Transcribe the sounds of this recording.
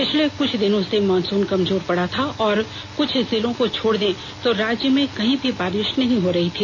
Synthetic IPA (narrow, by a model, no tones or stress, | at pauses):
pɪt͡ʃʰlekʊt͡ʃʰd̪ɪnõsemɔːnsuːnkɐmzoːɾpɐɽat̪ʰaɔːɾ | kʊt͡ʃʰzɪlõkot͡ʃʰoːɽd̪ẽː | t̪oɾaːd͡ʒjəmẽkɐɦĩbʱibaːɾɪʃnɐɦĩɦoɾɐɦit̪ʰiː